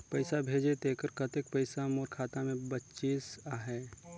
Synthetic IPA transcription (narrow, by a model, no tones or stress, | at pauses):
pɐɪsabʱeːd͡ʒet̪eːkəɾkət̪ek̚pəɪsamoːɾkʰaːt̪amẽbətːt͡ʃiːsaːɦɛː